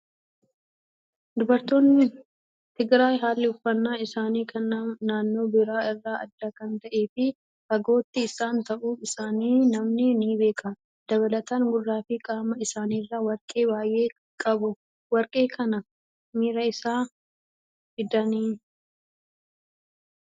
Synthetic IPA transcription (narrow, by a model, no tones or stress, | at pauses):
d̪ʊbɐɾt̪ːo̞ːnːɪ | t̪ɪɡɾaːjɦaːlːɪhʊfːɐnːaːɪsaːniːkʰɐnːɐmnaːnːo̞ːbɪɾaːɪrːaːɐ̰d̪ːaːkɐnt̪ɐʔe̞ːfɪ | hɐɡo̞ːt̪ːɪːsaːnt̪ɐʔuːfɪsaːniːnɐmnɪniːbe̞ːkʼɐ | d̪̥ɐβɐlɐt̪aŋɡʊrːaːfɪkʼaːmɐɪsaːniːrːɐwɐɾkʼe̞ːbaːjʔe̞ː | kʼɐbʊ | wɐɾkʼe̞ːkɐnɐ | miːɾɐɪsaː | hɪd̪ɐniː